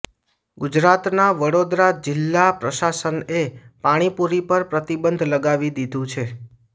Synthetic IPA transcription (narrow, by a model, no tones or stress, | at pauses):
ɡʊd͡ʒɾat̪naʋəɽod̪ɾad͡ʒɪlːapɾəʃasənepaɽ̃ipuɾipəɾpɾət̪ibənd̪ʱləɡaʋid̪id̪ʱũt͡ʃʰe